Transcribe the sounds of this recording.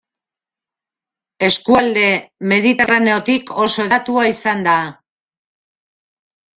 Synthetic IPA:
e̞skuald̪e̞me̞ðit̪e̞rane̞o̞t̪ikʰo̞so̞eðat̪uaisand̪a

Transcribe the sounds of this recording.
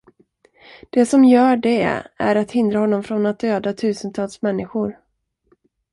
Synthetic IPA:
d̪̥ɛsɔmjœːɖɛæ̰ɾat̪hɪnd̪ɾaɦɔnːɔmfɾɔnat̪̚d̪øːd̪at̪ʰʉ̟ːsənt̪ʰɑːlsmɛnːɪɧʊɾ

